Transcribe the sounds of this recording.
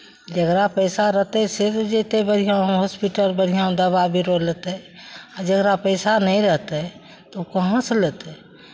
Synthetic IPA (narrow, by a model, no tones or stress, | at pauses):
d͡ʒəɡɾapəjsaɾəɦt̪ɛset̪d͡ʒet̪ebəɾ̤ʱijaũɦɔspiʈəlbəɽ̤ijãũd̪əβabʱiɾolət̪ɛad͡ʒəɡɾapəɪsanɛĩɾəɦt̪ɛ | t̪oukəɦə̃slet̪ɛ